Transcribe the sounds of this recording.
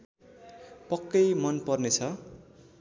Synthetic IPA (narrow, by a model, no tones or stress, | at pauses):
pʌkːʌjmʌnpʌrnet͡sʰʌ